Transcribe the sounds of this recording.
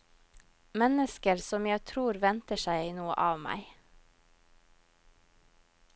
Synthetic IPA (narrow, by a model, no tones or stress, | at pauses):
mɛnəskəɾsɔmjæɪt̪ʰɾuːɾʋɛnt̪əʃæɪnuːə̰ʔɑːʋmæ̰ɪ